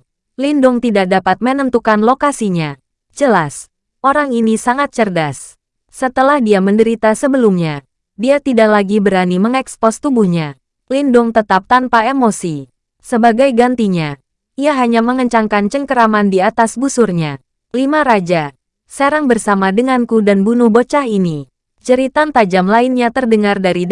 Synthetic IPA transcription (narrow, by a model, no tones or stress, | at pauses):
lindʊŋt̪idak̚dapat̪̚mənəmt̪ukanlokasiɲa | d͡ʒəlas | ʔoɾaŋinisaŋat̪̚t͡ʃərdasː | ət̪əlahdiaməndəɾit̪asəbəlumɲa | diat̪idaʔlaɡibəɾaniməŋɛkspɔst̪ubuhɲa | lindʊŋt̪ət̪ap̚t̪anpaemosi | səbaɡajɡant̪iɲa | iaɦaɲaməŋəɲt͡ʃaŋkant͡ʃəŋkəɾamandiat̪asbusurɲa | limaɾad͡ʒa | seɾaŋbərsamadəŋankudanbunʊhbot͡ʃahini | t͡ʃəɾit̪ant̪ad͡ʒamlaɪnɲat̪ərdəŋardaɾi